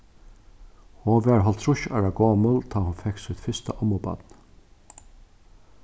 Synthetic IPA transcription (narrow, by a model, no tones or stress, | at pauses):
hɔʋɛɹɦɔlt̪ʰɾʊʃa̰ɹaɡoːməlt̪ʰaːhʊnfɛksʏt̪fɪst̪a̰ʔɔmɔba̰t̪n